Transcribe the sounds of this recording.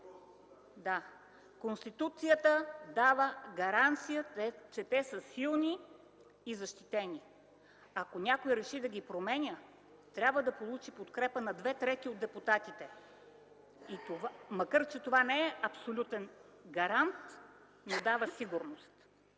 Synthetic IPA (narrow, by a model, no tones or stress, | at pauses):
d̪a | konst̪it̪ut̪sijət̪əd̪avəɡɐɾant̪sijəɛt͡ʃɛt̪ɛsəsilˠniː | zɐʃt̪it̪ɛnʲi | ɐkonʲakojɾɛʃid̪ɐɡʲipɾomɛnʲə | t̪ɾʲabvəd̪ɐpolˠut͡ʃipot̪kɾɛpənɐd̪vɛt̪ɾɛt̪iod̪ɛput̪at̪it̪ɛ | it̪ovamɐkəɾt͡ʃɛt̪ovanɛɛʔɐpsolʲut̪ɛn | ɡɐɾant̪ | nod̪avəsiɡuɾnost̪